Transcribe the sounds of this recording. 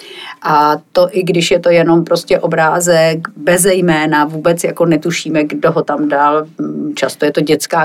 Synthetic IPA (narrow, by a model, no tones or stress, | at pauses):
ʔat̪o̞ʔɪɡdɪʃjɛt̪o̞jɛno̞mpɾo̞scɛʔo̞bɾaːzɛkbɛzɛjmɛːnavuːbɛt͡sjako̞nɛt̪uʃiːmɛɡdoɦo̞t̪amdalt͡ʃast̪ojɛt̪o̞ɟɛt͡skaː